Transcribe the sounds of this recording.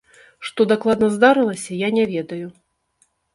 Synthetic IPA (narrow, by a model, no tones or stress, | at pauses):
ʂt̪ɔd̪aklˠad̪nɐzd̪aɾɨlˠɐsʲɐjanʲɛvʲɛd̪ɐju